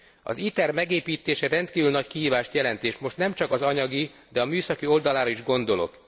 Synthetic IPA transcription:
ɒ̰zit̪ɛrmɛɡeːpiːt̪eːʃɛɾɛnt̪kiːvylnɒckiɦiːvaːʃt̪jɛlɛnt̪eːʃmo̞ʃt̪nɛmt͡ʃɒkɒzɒɲɒɡid̪ɛɒmyːsɒkio̞ld̪ɒlaːɾɒiʒɡo̞nd̪o̞lo̞̰k

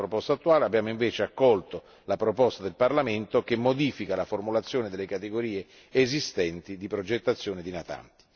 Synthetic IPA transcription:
pɾopɔst̪at̪ːuaːleabːjaːmoiɱveːt͡ʃeakːɔlt̪o | lapɾopɔst̪ad̪elparlament̪okemːod̪iːfikalaformulat̪sːjoːned̪elːekat̪eɡoɾiːeː | zist̪ɛnt̪id̪ipɾod͡ʒet̪ːat̪sːjoːned̪inat̪a̰nt̪i̥

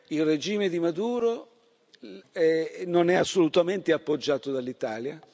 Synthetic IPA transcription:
ilred͡ʒiːmed̪imad̪uːɾo | ɛnonɛasːolut̪ament̪eapːod͡ʒːaːt̪od̪alːit̪aːlja

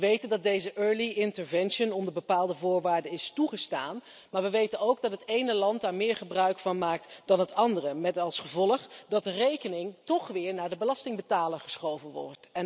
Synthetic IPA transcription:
əʋejtəndɑt̚dejzəʔøːɹliɪntəɹvɛnʃənɔndəɹbəpaːlˠdəvʊːɹʋaːɹdəɪstuχəstaːn | maːɹʋəʋejtənowɡ̚dɑtɦətejnəlɑntdaːɹmɪːɹχəbrœɥkfɑnmaːk̚td̥ɑnɦətɑndərəmɛtɑlˠsχəvɔləχdɑt̚dərejkənɪŋtɔχʋɪːɹnaːɹdəbəlɑstɪŋbətaːləɹχəsχowvənʋɔ̰ɹtɛ

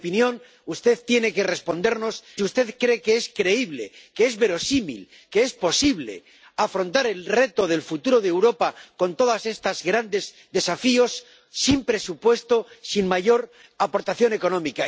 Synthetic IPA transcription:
pinjõ̞n | ust̪e̞ðt̪je̞ne̞ke̞re̞spo̞nd̪e̞ɾno̞siust̪e̞ðkɾekeeskɾe̞iβle̞̰keezβe̞ɾo̞simḭl | ke̞e̞spo̞siβle̞̰ | afɾo̞nt̪aɾe̞lre̞t̪o̞ð̞e̞lfut̪uɾo̞ðewɾo̞pako̞nt̪o̞ðase̞st̪azɣɾand̪e̞z | d̪e̞safio̞sː | impɾe̞supwe̞st̪o̞sinmaʝo̞ɾ | apo̞ɾt̪aθjo̞ne̞ko̞nõ̞mika

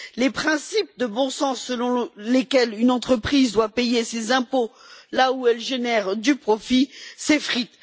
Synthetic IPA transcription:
lepχɛ̃sip̚d̪əbɔ̃sɑ̃səlɔ̃lekʲɛlynɑ̃t̪χəpχizd̪wapejesezɛ̃po | lauɛlʒenɛʁd̪ypχɔfisefχit̪

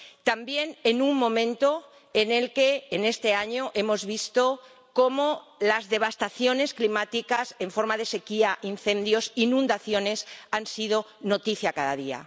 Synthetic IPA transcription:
t̪ambje̞ne̞nuŋmõ̞mẽ̞nt̪o̞ | ene̞lke̞ːne̞st̪e̞aɲoʔe̞mo̞zβist̪o | ko̞molazðe̞β̞ast̪aθjo̞ne̞sklimat̪ikase̞ɱfo̞ɾmaðe̞se̞kiaʔinθẽ̞nd̪jo̞sinũnd̪aθjo̞ne̞sansið̞o̞ | no̞t̪iθjakaðaðia̰

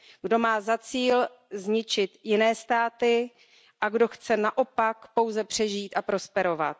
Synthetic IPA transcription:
ɡdo̞maːzat͡siːl | zɲɪt͡ʃɪt̪jɪnɛːst̪aːt̪ɪ | ʔaɡdo̞xt͡sɛnaʔo̞pakpo̞wzɛpr̝̥ɛʒiːt̪ʔapɾo̞spɛɾo̞va̰t̪̚

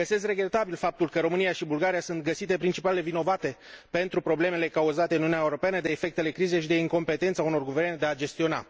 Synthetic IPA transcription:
ɡəse̞sre̞ɡɾe̞t̪abilfap̚t̪ulkəɾo̞mɨnijaʃibulɡaɾijasunt̪̚ɡəsit̪e̞pɾint͡ʃipalelevino̞vat̪e̞pe̞nt̪ɾupɾo̞ble̞me̞le̞kauzat̪e̞ɨnunʲaeuɾo̞peanəd̪e̞ːfe̞k̚t̪ele̞kɾize̞ʃid̪e̞iŋko̞mpe̞t̪e̞nt̪sauno̞rɡuve̞rned̪e̞ad͡ʒe̞st̪io̞na̰

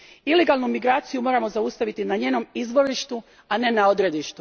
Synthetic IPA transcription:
ile̞ɡalˠnumiɡɾaːt̪sijumo̞ɾamo̞zaust̪aʋit̪inaɲe̞ːno̞mizʋo̞ɾiʃt̪u | ane̞nao̞d̪ɾe̞d̪iʃt̪u̥

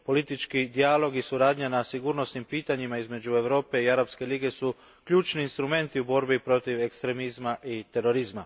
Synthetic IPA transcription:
po̞lit̪it͡ʃkid̪ialo̞ɡisuɾaːd̪ɲanasiɡuɾno̞snimpiːt̪aɲimaizme̞d͡ʑue̞ʋɾo̞ːpe̞iaɾapske̞liɡe̞su | kʎuːt͡ʃniːnst̪ɾume̞nt̪iubo̞ɾbipɾo̞t̪iʋe̞kst̪ɾe̞mizmaʔit̪e̞ɾo̞ɾizma

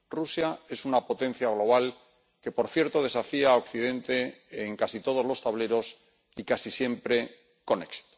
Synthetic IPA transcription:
rusjae̞sunapo̞t̪ẽ̞n̟θjaɣ̞lo̞βal | ke̞po̞ɾθje̞ɾt̪o̞ð̞e̞safiaokθið̞ẽ̞nt̪e̞ːŋkasit̪o̞ð̞o̞zlo̞st̪aβle̞ɾo̞s | ikasisje̞mpɾe̞ | ko̞ne̞ksi̥t̪o̥

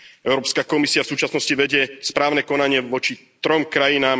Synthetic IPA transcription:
ɛʊɾɔːpskakɔmisiafsuːt͡ʃasnɔsciʋɛɟɪɛspɾaːʊnɛkɔnaɲɪɛʋɔt͡ʃit̪ɾɔmkɾajinaːm

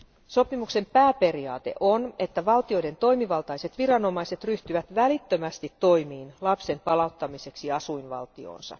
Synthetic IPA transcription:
so̞pimukse̞mpæːpe̞riɑ̰ːt̪e̞̰ʔone̞t̪ːæʋɑlt̪io̞jde̞nt̪o̞imiʋɑlt̪ɑjse̞t̪ʋiɾɑno̞mɑjse̞t̪ryht̪yʋæt̪ʋælit̪ːømæst̪it̪ːo̞jmiːnlɑpse̞mpɑlɑut̪ːɑmise̞ksiɑsujnʋɑ̰lt̪io̰ːnsɑ̰

